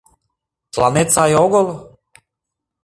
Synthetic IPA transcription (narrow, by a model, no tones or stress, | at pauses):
tlˠanet̪sajoɡol